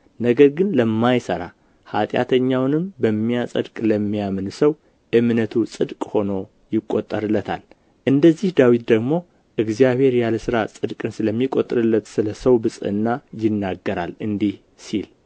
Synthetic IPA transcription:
nəɡəɾɡɨnləmːajsəɾa̰ | hat̪ʼja̰t̪ʰəɲːawnɨmbəmːijasʼə̰d̪kʼləmːijamɨnsəw | ʔɨmnət̪ʰusʼɨd̪kʼho̞no̞ | jɪkʼːot̪ʼːəɾɨlːət̪ʰa̰l | ʔɨnd̪əzːihd̪awit̪̚d̪əɡmo̞ | ʔɨɡzijaβe̞ɾjaləsɨɾasʼɨd̪kʼɨnsɨləmːikʼot̪ʼːɨɾɨlːət̪sɨləsəwbɨsʼɨɨ̰nːajɪnːaɡːəɾalɨnd̪ih | sil

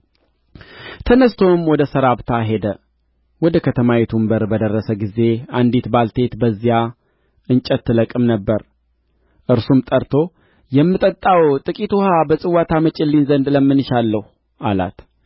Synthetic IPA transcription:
t̪ʰənəst̪ʰo̞mwɔd̪əsəɾaβt̪ʰaɦe̞d̪ə | wɔd̪əkʰət̪ʰəmawet̪ʰumbəɾbəd̪ərːəsəɡize̞and̪it̪balt̪ʰe̞t̪bəzːija | ʔɨnt͡ʃʼət̪ːɨləkʼɨmnəbːəɾ | ʔɨɾsumt̪ʼəɾt̪ʰo̞ | jɛmːɨt̪ʼət̪ʼːawt̪ʼɨkʼit̪uhabəsʼɨwat̪ʰamət͡ʃʼɪlːinzənd̪ləmːɨnɨʃalːəhu | ʔala̰t̪

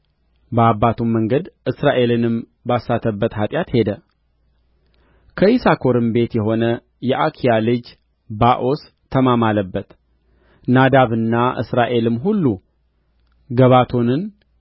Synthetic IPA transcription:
bəabːat̪ʰumːəŋɡəd̪ʔɨsɾaʔe̞lɨnɨm | basːat̪ʰəbːət̪hat̪ʼjat̪he̞d̪ə | kʰəisakʰo̞ɾɨmbe̞t̪jɛɦo̞nə | jɛʔakʰijalɨd͡ʒ | baʔo̞s | t̪ʰːəmamaləbːət̪ | nad̪aβɨnːaʔɨ̰sɾaʔe̞lɨmɦulːu | ɡəβat̪ʰo̞nɨn

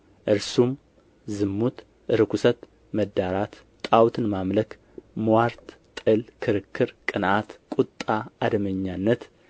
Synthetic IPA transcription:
ʔɨɾsum | zɨmːut̪ | ʔɨɾɨkʷʰusət̪ | məd̪ːaɾat̪ | t̪ʼawt̪ʰɨnmamlək | mwaɾt̪ | t̪ʼɨlkʰɨɾɨkʰːɨɾkʼɨnat̪kʼut̪ʼːaad̪məɲːanːət̪

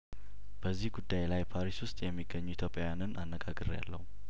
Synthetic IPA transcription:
b̥əzːihɡud̪ːajlajpʰaɾiswʊst̪ʼjɛmːiɡːəɲːuit̪ʰjopʼːjanɨnanːəɡaɡɨɾja̰lːə̰hu

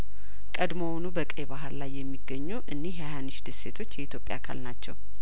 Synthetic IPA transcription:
kʼəd̪mo̞nubəkʼebaɦɨɾlajːɛmːiɡːəɲːuʔɨnːehajanɨʃd̪ɨsse̞t̪ʰo̞t͡ʃːjɛit̪jo̞pʼja̰kʰa̰lnat͡ʃːɛw

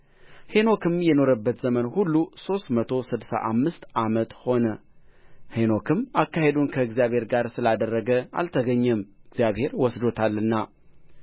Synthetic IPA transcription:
he̞no̞kʰɨmjɛno̞ɾəbːət̪z̥əmənhulːuso̞st̪mət̪ʰo̞sɨd̪sa̰ʔamːɨst̪amət̪ho̞nə | heno̞kʰɨmakːahe̞d̪unkʰəɨɡzijaβhe̞ɾɡaɾsɨlad̪ərːəɡəa̰lt̪ʰəɡəɲːɛmɨɡzijaβhe̞ɾwɔsd̪o̞t̪ʰalːɨnːa

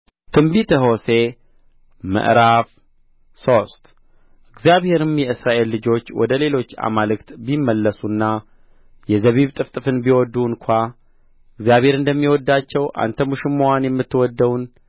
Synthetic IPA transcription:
t̪ʰɨmbit̪ʰəɦo̞se̞ | mə̰ʔɾaf | so̞st̪ | ʔɨɡzjaβhe̞ɾɨmjɛɨsɾaʔe̞lːɨd͡ʒo̞t͡ʃːwɔ̰d̪əle̞lo̞t͡ʃːa̰malɨkt̪bimːəlːəsunːa | jɛzəβiβt̪ʼɨft̪ʼɨfɨnbiwɔd̪ːuɨnkʷʰa | ɨɡzjaβhe̞ɾɨnd̪əmːiwɔd̪ːat͡ʃːɛwʔa̰nt̪ʰəmuʃɪmːowanjɛmːɨt̪ːɨwɔd̪ːəwun

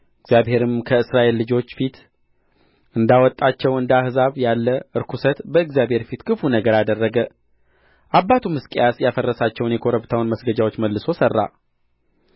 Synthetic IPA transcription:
ɨɡzjaβhe̞ɾɨmkʰəɨsɾaʔe̞lːɨd͡ʒo̞t͡ʃːfit̪ | ɨnd̪awɔt̪ʼːat͡ʃːɛwɨnd̪ahzaβjalːəʔɨɾkʰusət̪bəɨɡzjabhe̞ɾfit̪kʰɨfunəɡəɾad̪ərːəɡə | ʔabːat̪ʰumɨskʼejasjafərːəsat͡ʃːɛwnjɛkʰoɾəβt̪ʰawunməsɡəd͡ʒawo̞t͡ʃːməlːɨso̞sərːa̰

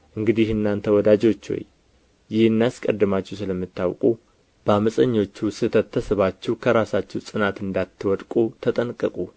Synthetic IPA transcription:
ʔɨŋɡɨd̪ihɨnːant̪ʰəwɔd̪ad͡ʒo̞t͡ʃːo̰j | jɪhɨnːaskʼəd̪ːɨmat͡ʃːɛwsɨləmːɨt̪ːawkʼu | b̥əaməsʼəɲːo̞t͡ʃːusɨt̪ʰət̪ʰːəsɨβat͡ʃːɛwkʰəɾasat͡ʃːɛwsʼɨnat̪ɨnd̪at̪ʰːɨwɔd̪kʼut̪ʰət̪ʼənkʼəkʼu

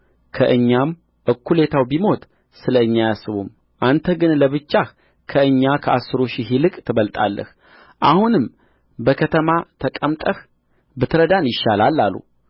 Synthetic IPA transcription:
kʰəʔɨɲːam | ʔɨkʰːule̞t̪ʰawbimo̞t̪ʼ | sɨləɨɲːajasːɨβṵm | ʔant̪ʰəɡɨnləβɨt͡ʃːah | kʰəɨɲːakʰəʔasːɨɾoʃiɦilɨkʼt̪ʰɨβəlt̪ʼa̰lːə̰h | ʔa̰hunɨm | bəkʰət̪ʰəmat̪ʰəkʼəmt̪ʼəh | bɨt̪ʰɨɾəd̪anjɪʃːalalːalːṵ

